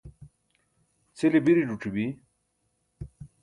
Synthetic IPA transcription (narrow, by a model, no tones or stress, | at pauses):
t͡sʰilibiɾiɖuʈ͡ʂibi